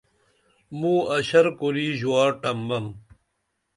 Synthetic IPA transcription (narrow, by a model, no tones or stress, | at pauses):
mũːɐɕɐɾkoɾiːʑuwaːʈɐmbɐm